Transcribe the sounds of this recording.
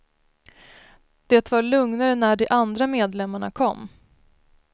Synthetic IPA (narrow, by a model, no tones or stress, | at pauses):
d̪̥eːt̪vaɾɭɵŋnaɾənæɖɛʔand̪ɾameːd̪lɛmːaɳa̰kʰɔmː